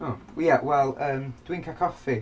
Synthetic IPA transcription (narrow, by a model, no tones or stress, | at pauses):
oːjawɛlˠəːmd̥wɪ̃ŋkʰaəkʰɔfi